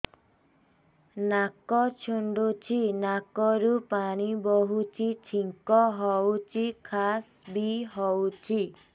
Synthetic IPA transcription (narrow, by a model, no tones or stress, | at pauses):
nakɔt͡ʃʰuɳɖut͡ʃʰinakɔɾupaɽ̃ibɔɦut͡ʃʰit͡ʃʰiŋkɔɦɔwt͡ʃʰikʰas | biɦɔwt͡ʃʰi